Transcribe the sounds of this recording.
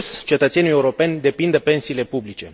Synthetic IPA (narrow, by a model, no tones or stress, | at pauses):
st͡ʃe̞t̪ət̪senuije̞uɾo̞penʲd̪e̞pind̪əpe̞nsiːle̞publit͡ʃe̞̰